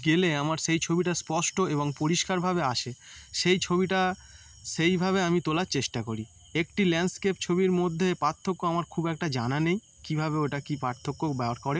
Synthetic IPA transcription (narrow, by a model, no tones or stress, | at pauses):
ɡeleamaɾʃejt͡ɕʰobiʈaspɔʃʈoeboŋpoɾiʃkaɾbʱabeaʃeʃejt͡ɕʰobiʈa | ʃejbʱaβeamit̪olaɾt͡ɕeʃʈakoɾi | ekʈilɛnɖskept͡ɕʰobiɾmod̪ʱːepaɾt̪ʰːokːoamaɾkʰubɛk̚ʈad͡ʑananej | kibʱabeoʈakipaɾt̪ʰːokːokbɛoɾkɔɾe